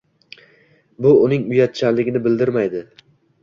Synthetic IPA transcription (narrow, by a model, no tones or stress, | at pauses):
bʊʊnɪŋʊjat̪̚t͡ʃʰanlɪɡʲɪnɪbɪld̪ɪɾmajd̪ɪ